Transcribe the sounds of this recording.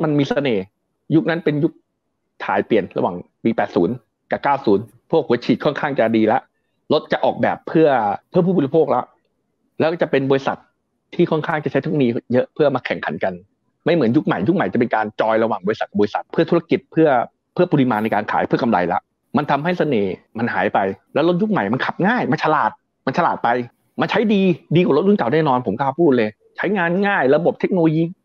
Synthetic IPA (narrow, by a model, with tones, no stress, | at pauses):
ma˧nmiː˧sa˧neː˨˩ | ju˦˥k̚na˦˥npe˧nju˦˥k̚ | t̪ʰaː˨˦jpli˨˩ənɾa̰˧waː˨˩ŋ | biː˧˩pɛː˨˩t̪̚suː˩˦n | kaː˨˩kaː˥˩wsuː˩˦n | pʰu˥˩ək̚hu˩˦t͡ɕʰiː˨˩t̪̚kʰɔ˥˩nkʰaː˥˩ŋt͡ɕa˨˩diː˧la˦˥ʔ | lo˦˥t̪̚t͡ɕa˨˩ʔɔː˨˩k̚bɛː˨˩pʰːɯ˥˩ɐpʰːɯ˥˩ɐpʰuː˥˩buː˧li˧pʰoː˥˩k̚la˦˥ʔ | lɛ˦˥kːt͡ɕa˨˩pe˧nbɔː˧ɾi˧sa˨˩t̪̚ʰː | iː˥˩kʰɔ˥˩nkʰaː˥˩ŋt͡ɕa˨˩t͡ɕa˦jt̪ʰu˦˥˩niː˧jɤ˦˥ʔpʰɯ˥˩ɐmaː˧kʰɛ˨˩˦ŋkʰa˨˩˦nka˧n | ma˥˩jmɯ˩˦ənju˦˥k̚ma˨˩ju˦˥k̚ma˨˩jt͡ɕa˨˩pe˧nkaː˧nt͡ɕɔː˧jɾa˧waː˨˩ŋbɔː˧ɾi˧sa˨˩t̚kbɔː˧i˧sa˨˩t̪̚pʰɯ˥˩ɐt̪ʰu˦˥ɾa˧ki˨˩t̪̚pʰɯ˥˩ɐ | pʰɯ˥˩ɐpu˧li˦˧maː˧nːa˧jkaː˧nkʰa̰ː˩˦jpʰɯ˥˩ɐka˧mla̰˧jla̰˦˥ʔ | ma˧nt̪ʰa˧mɦa˥˩jsa˧neː˨˩ | ma˧nɦa̰ː˩˦jpa˧jlɛ˦˥wlo˦˥t̪̚ju˦˥k̚ma˨˩jma˧nkʰa˨˩p̚ŋaː˥˩jma˧t͡ɕʰlaː˨˩t̪̚ | ma˧nt͡ɕʰa˧laː˨˩t̪̚pa˧j | ma˧nt͡ɕʰa˦˥jdiː˧diː˧kwlo˦˥t̪̚u˥˩nka˨˩wnɛː˥˩nɔː˧npʰo˩˦mkːpʰuː˥˩t̪̚lɤː˧j | t͡ɕʰa˦˥jŋaː˧nŋaː˥˩jɾa˧bo˨˩p̚t̪ʰe˦˥k̚no˧lo˧jiː˧